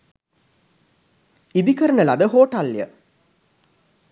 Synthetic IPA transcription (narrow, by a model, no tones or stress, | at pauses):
id̪ikəɾənəlad̪əɦoːʈɐljə̰